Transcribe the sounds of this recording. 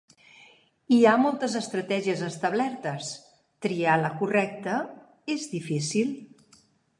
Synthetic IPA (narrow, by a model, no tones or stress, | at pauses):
iamɔlˠt̪əzəst̪ɾət̪ɛʒiəzəst̪əβlɛɾt̪əs | t̪ɾialəkurɛk̚t̪ə | ezðifisilˠ